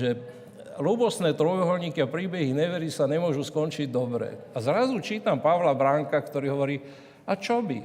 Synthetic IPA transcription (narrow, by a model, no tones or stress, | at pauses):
ʒɛ | luːbɔsnɛːt̪ɾɔjɔɦɔlɲiːkiapɾiːbɛɦiɲɛʋɛɾisaɲɛmʊɔʒuskɔnt͡ʃiɟ̚d̪ɔbɾɛ̰ | azɾazut͡ʃiːt̪ampaʋlabɾaŋkakt̪ɔɾiːɦɔʋɔɾiː | at͡ʃɔbḭ